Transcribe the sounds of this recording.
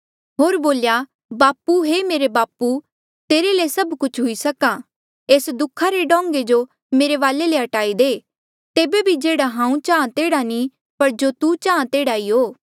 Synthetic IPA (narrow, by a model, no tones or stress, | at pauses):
ɦoːɾboːlja | baːpuɦemeːɾebaːpu | t̪eːɾelesɐbkʊt͡ʃʰɦʊisɐka | eːsd̪ʊkʰaɾeɖɔ̃ːŋɡed͡ʒo | meːɾeʋaːleleɦɐʈaːid̪eː | t̪eːbebʱid͡ʒeːɽaɦãːũt͡ʃãːãt̪eːɽani | pɐɾd͡ʒot̪ut͡ʃaːãt̪eːɽaiːɦoː